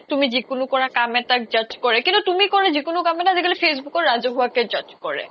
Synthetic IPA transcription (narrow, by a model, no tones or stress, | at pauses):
t̪umid͡ʑikunukonakameʈak̚d͡ʑɔt͡ɕkoɾekint̪ut̪umikoned͡ʑikunukameʈad͡ʑeɡelifes̬bukoɾːad͡ʑoɦuaked͡ʑɔt͡ʃkoɾḛ